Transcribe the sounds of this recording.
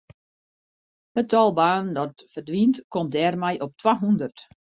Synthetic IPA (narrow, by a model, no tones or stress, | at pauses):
hətʰɔlˠbaːndɔtfərdʋintkɔmdɛːrmɛjʔɔp̚tʰwaɦundərt